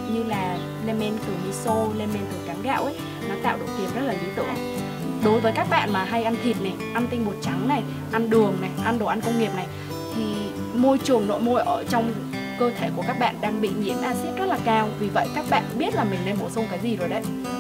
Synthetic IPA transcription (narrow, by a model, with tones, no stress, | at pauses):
ɲɨ˧laː˨˩ | le˧mɛ˧nkɨ˨˩ɲɨ˧so˧le˧mɛ˧nk̪ɨ˨˩kaː˨˦ɣa̰ː˧˨wʔə˨˦ | nɔ˨˦t̪a̰ː˧˨wɗo̰˨˩t̚t̪i˨˩p̚zə˦˥laː˨˩li˨˦t̪ɨ̰˧˨ŋʔj | ɗo˨˦jvəː˨˦jkaː˦˥k̚ɓa̰ː˧˨nmaː˨˩ɦa˧jʔa˧nt̪ʰi˨˩t̚na˨˩jʔa˧nt̪ï˧ŋ̟ɓo˨˩t̚t͡ɕa˨˦ŋna˨˩j | ʔa˧nɗɨ˨˩əŋna˨˩jʔa˧nɗo˨˩ʔa˧nkə˧wŋ͡mŋi˨˩əp̚na˨˩j | t̪ʰi˨˩ | mo˧jt͡ɕɨ˨˩əŋno̰˧˨jmo˧jʔəː˧˩t͡ɕɔ˧wŋ͡m | kəː˧t̪ʰe˧˩ku˧˩əkaː˦˥k̚ɓa̰ː˧˨nɗaː˧ŋɓḭ˧˨ɲḭ˧˥ənʔaː˧sɛ˦˥t̚zə˦˥t̚laː˨˩kaː˧wvi˨˩və̰˧˨jkaː˦˥k̚ɓa̰ː˧˨nɓi˦˥ət̚laː˨˩mï˨˩ŋ̟ne˧nɓo˧˩sə˧ŋ͡mkaː˨˦jzi˨˩zo˨˩jɗə˨˧˦j